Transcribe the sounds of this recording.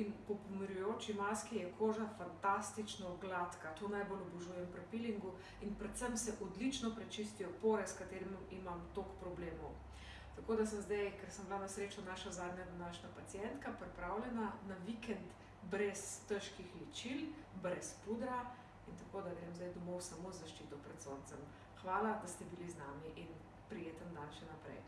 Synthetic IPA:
inpɔpɔmiɾjujoːt͡ʃimaskijɛkʰoːʒafant̪ast̪it͡ʃnɔɡlat̪kat̪onajbolɔbuʒuːjɛmpɾɛpiliŋɡu | inpɾɛt̪səmsɛʔɔd̪lit͡ʃnɔpɾɛt͡ʃist̪ijɔpoːɾɛskat̪eːɾimʔimamt̪okpɾɔbleːmɔw | t̪akoːd̪asəmzd̪ajkɛɾsəmblanasɾeːt͡ʃɔnaːʃazaːd̪ɲad̪anaːʃnapat̪sijɛnt̪kapɾɛpɾawlʲɛnanaʋikɛnt̪ | bɾɛst̪əʃkixlɛt͡ʃilbɾɛspud̪ɾa | int̪akoːd̪aɡɾeːmzd̪ajd̪ɔmowsamozːaʃt͡ʃit̪ɔpɾɛt̪sont̪sɛm | xʋaːlad̪ast̪ɛbiliznaːmiʔin | pɾijeːt̪ənd̪anʃɛnapɾɛ̰j

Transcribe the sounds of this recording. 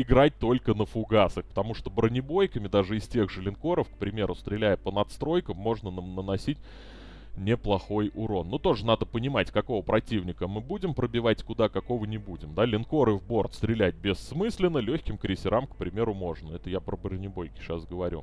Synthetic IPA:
ɪɡɾat̚ʲt̪o̞lʲkənəfʊɡasəxpə̥t̪ɐmuʂt̪obɾənʲɪbo̞jkəmʲɪd̪aʐɨɪsʲtʲe̞ɣʐɨlʲɪnko̞ɾəfkpɾʲɪmʲe̞ɾʊst̪ɾʲɪlʲæjəpənɐt̪st̪ɾo̞jkəmmo̞ʐnənənɐsʲitʲ | nʲɪplˠɐxo̞jʊɾo̞nːot̪o̞ʐɨnad̪əpənʲɪmatʲkɐko̞vəpɾɐtʲivnʲɪkəmɨbudʲɪmpɾəbʲɪvatʲkʊd̪akɐko̞vənʲɪbudʲɪmd̪alʲɪnko̞ɾɨvbo̞rt̪st̪ɾʲɪlʲæt̚ʲbʲɪsːmɨsʲlʲɪnːəlʲɵçʲkʲɪmkɾʲɪsʲɪɾamkpɾʲɪmʲe̞ɾʊmo̞ʐnəɛt̪əjapɾəbɾənʲɪbo̞jkʲɪ̥ʂasɡəvɐɾʲṵ

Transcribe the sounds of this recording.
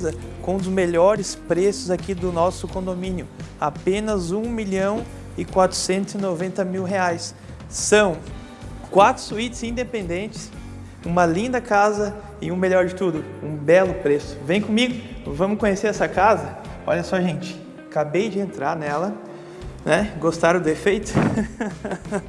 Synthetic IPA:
zɐkõw̃d̪ʊzmeʎɔɾɪspɾesʊzakid̪ʊnɔsʊkõnd̪omĩnjʊapẽnɐzũmiʎɐ̃w̃ | ɪkwat̪ɾʊ̥sẽnt̪ʊzɪnovẽnt̪ɐmiwɦeajsː | ɐ̃w̃ | kwat̪ɾʊ̥suit͡ʃɪzĩd̪epẽnd̪ẽnt͡ʃɪ̥s | ũmɐlĩnd̪ɐkazɐ | ɪũmeʎɔɾd͡ʒɪt̪ud̪ʊũbɛlʊpɾesʊ̥vẽj̃kõmiɡʊvɐ̃mʊkõɲeseɾɛsɐkazɐ | ɔ̰ʎɐsɔʒẽnt͡ʃɪ̥ | kabejd͡ʒɪẽnt̪ɾaɾnɛlɐ | nɛɡost̪aɾʊd̪ʊefejt̪ʊ̥

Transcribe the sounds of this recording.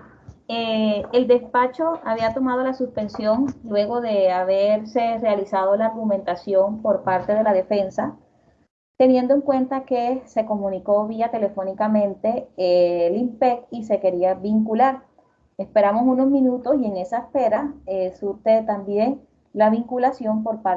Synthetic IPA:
eeld̪e̞spat͡ʃo̞aβiat̪o̞maðo̞lasuspe̞nsjo̞ŋlwe̞ɣo̞ðe̞aβeɾse̞realisaðolaːɾɣumẽ̞nt̪asjo̞mpo̞ɾpaɾt̪e̞ð̞e̞laðe̞fe̞nsa | t̪e̞nje̞nd̪o̞e̞ŋkwe̞nt̪ake̞se̞ko̞mũniko̞βiat̪e̞le̞fo̞nikamẽ̞nt̪e̞ | limpekise̞ke̞ɾiaβiŋkulaɾ | e̞spe̞ɾamo̞suno̞zmĩnut̪o̞sie̞ŋe̞saespe̞ɾaesuɾt̪et̪ambje̞ŋ | laβiŋkulasjo̞mpo̞ɾpa

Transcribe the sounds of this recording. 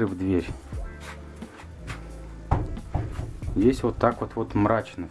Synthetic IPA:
ɨvd̪vʲeɾʲ | zʲdʲesʲvot̪ːakvot̪vot̪mɾat͡ɕnə

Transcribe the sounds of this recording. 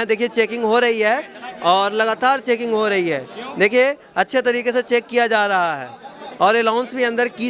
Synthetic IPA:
ɛ̃d̪eːkʰiet͡ʃeːkɪ̃ŋɡɦoɾɐɦiɦɛɔːɾlɐɡaːt̪aːɾt͡ʃeːkɪ̃ŋɡɦoɾɐɦiɦɛːd̪eːkʰie | ɐtːʃʰet̪ɐɾiːkeset͡ʃeːkːijad͡ʒaːɾɐɦaɦɛ̰ːɔːɾelãːʊnsbʱiɐ̃nd̪əɾki

